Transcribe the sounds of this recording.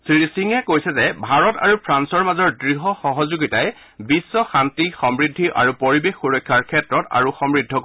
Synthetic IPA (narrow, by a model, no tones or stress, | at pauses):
sisiŋɛkojsɛzɛbʱaɹɔta̰ɹupʰɹansɔɹmazɔɹdɹiɦɔxɔɦɔzuɡitajɛ | bisːɔxantixɔmɹidʱːiʔa̰ɹupoɹibexːuɹɔkʰːjaɹkʰɛtɹɔta̰ɹuxɔmɹidʱɔk